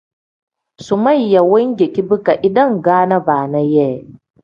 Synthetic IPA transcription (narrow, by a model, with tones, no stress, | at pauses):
sʊ˨ma˦˨jːa˨wʊ˦ŋɡʲe˨kʲi˦bɪ˦ka˨ʔɪ˨dɐ˦ŋɡaː˦nɐ˦baː˨na˦jɛː˦˨